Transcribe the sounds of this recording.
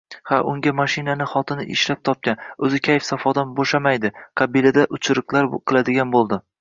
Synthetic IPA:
haʔʊŋɡʲamaʃɪnanɪχɒt̪ʰɪnɪʔɪʃlap̚t̪ʰɒp̚kʲanɵzɪkʲʰajɪfsafɒd̪anboʃamajd̪ɪqʰɑbilad̪aʔʊt͡ʃʰɾɨqlˠaɾqʰɨlˠad̪ɪɡʲanbolˠd̪ɪ

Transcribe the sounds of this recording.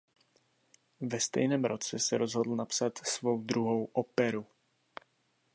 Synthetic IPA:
vɛst̪ɛ̰jnɛːmɾot͡sɛsɛɾozɦodl̩napsat̪svo̞wd̪ɾuɦowʔopɛɾu

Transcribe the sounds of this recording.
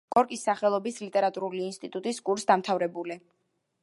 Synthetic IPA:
kʼɔɾkʼisːaχɛlˠɔbislit̪ʼɛɾat̪ʼuɾuliːnst̪ʼit̪ʼut̪ʼiskʼuɾsd̪amt̪ʰavɾɛbuli

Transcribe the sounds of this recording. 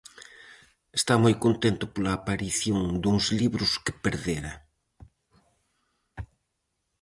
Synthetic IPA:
est̪amojkont̪ent̪ʊpolɐːpaɾiθjoŋd̪uŋzliβɾʊskɪ̥peɾðeɾɐ

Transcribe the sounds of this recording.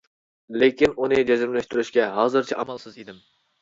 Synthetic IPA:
lekʲinunɨd͡ʒɛzɪmlɛʃt̪yɾyʃkʲɛɦɑːzɨɾt͡ʃʰiʔɑmˠszid̪ɪm

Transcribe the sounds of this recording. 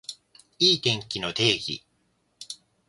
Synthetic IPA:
iːt̪ẽ̞ŋkʲino̞t̪e̞ːɡʲḭ

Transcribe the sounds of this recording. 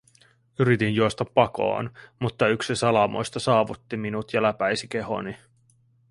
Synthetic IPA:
yɾit̪injuost̪ɑpːɑko̞̰ɑːnmut̪ːɑyksisɑlɑmo̞̰jst̪ɑsɑːʋut̪ːiminut̪jɑlæpæjsike̞ho̞̰ni

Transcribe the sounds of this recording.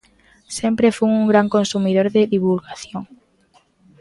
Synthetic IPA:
sempɾefuŋuŋɡɾaŋkonsumiðoɾðeðiβulɣaθjoŋ

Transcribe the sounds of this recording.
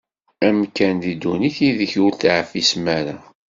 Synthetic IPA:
æmkænðid̪ːuniθiðəçʊɾθaʕfismæɾa̰

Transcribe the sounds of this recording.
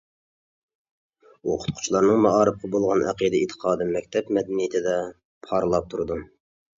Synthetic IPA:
woqʰʊ̥t̪̚qʰʊ̥t͡ʃʰlˠɑɾnɨŋmɑʔɑːɾɨfqɑbolˠʁɑnʔæ̰qid̪ɨit̪ʰːə̥qʰɑːd̪ɨmɛk̚ʲt̪ʰɛpmɛd̪ænijɪt̪ʰɪd̪ɛ | pʰɑɾlˠɑp̚t̪ʰuɾd̪u

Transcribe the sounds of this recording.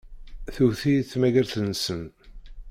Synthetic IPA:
θuθiθmæʝəɾθənːsən

